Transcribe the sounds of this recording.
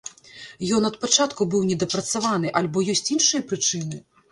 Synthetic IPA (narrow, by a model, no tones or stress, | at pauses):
jɔnɐt̪̚pat͡ʂat̪kubɨwnʲɛd̪ɐpɾɐt̪savan̪ɨʔalʲbɔjɔsʲt͡sʲinʂɨjɐpɾɨt͡ʂɨnɨ